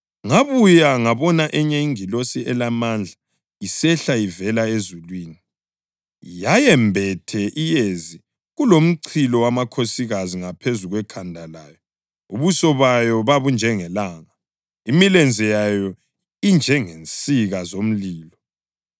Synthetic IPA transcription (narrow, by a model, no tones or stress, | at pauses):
ŋaβujaŋaβɔnaʔɛɲɛiŋilosiɛlamand͡ɮʱa | isɛɬaivɛlaezulwiːni | jajɛmbʱɛtʰɛʔijezi | ɣulom̩ǀʰilɔwamakʰosiɣaziŋapʰezuɣwɛkʰandʱalaːjɔ | ṵβusɔβajɔβaβund͡ʒʱɛŋɛlaːŋa | imilɛnd͡zʱɛjajɔ | ind͡ʒʱɛŋent͡sʼiɣazom̩liːlɔ